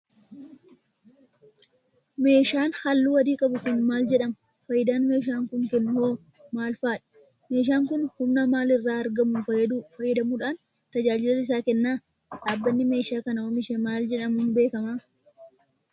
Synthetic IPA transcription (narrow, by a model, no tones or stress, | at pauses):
me̞ːʃaːnhalːuːwɐd̪iːkʼɐbʊkʊnmaːld͡ʒɛᶑɐmʊ | fɐjːɪd̪aːnme̞ːʃ̬aːŋkʊŋkɛnːʊhoː | maːlfaːᶑɐ̥ | me̞ːʃ̬aːŋkʊnhʊmnɐmaːlɪrːaːɐɾɡɐmʊnfɐjɛd̪ufɐjːɪd̪ɐmuːᶑaːn | t̪ɐd͡ʒaːd͡ʒɪlɐnɪs̬aːkɛnːaː | ᶑaːbːɐnːɪme̞ːʃaːkɐnɐwomɪʃɛmaːld͡ʒɛᶑɐmʊnbe̞ːkɐmaː